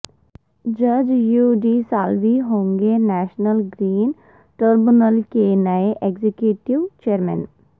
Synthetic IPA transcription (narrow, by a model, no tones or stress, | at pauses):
d͡ʒəd͡ʒjuːɖiːsaːlʋiɦõːŋɡenɛːʃnəlɡɾiːn | ʈəɾbɪnəlkenaeʔeɡzekjuːʈiʋt͡ʃeːɾmɛ̰n